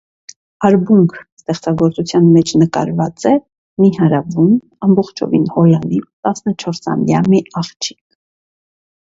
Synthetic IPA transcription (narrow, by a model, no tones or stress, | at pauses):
ɑɾbuŋkʰst̪ɛχt͡sɑɡɔɾt͡sut͡sʰjɑnmɛt͡ʃʰnəkɑ̰ɾvɑt͡sɛ | miɦɑɾɑvum | ɑmbɔχt͡ʃʰɔ̰vḭnhɔlɑnit̪ɑsnət͡ʃʰɔɾsɑ̰mjɑ̰miɑχt͡ʃʰi̥k̚ʰ